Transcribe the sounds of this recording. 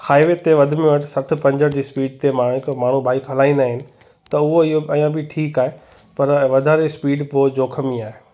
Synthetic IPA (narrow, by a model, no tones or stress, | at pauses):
haːɪʋet̪eʋɐd̪ʱɪmẽʋɐʈʰɪsɐʈʰɪ̆pɐ̃ɲd͡ʑəɽd͡ʑiːspiːɖt̪emaɽkmaːɳ̤ũbʱaːikɦɐlaːĩːnd̪aːɦɪnɪ̆ | t̪ɐʊɦoɪɦoɐjãbɪʈʰiːkaːɦe | pɐɾʋɐd̪ʱaːɾespiːɖpoːd͡ʑoːkʰəmĩaːɦe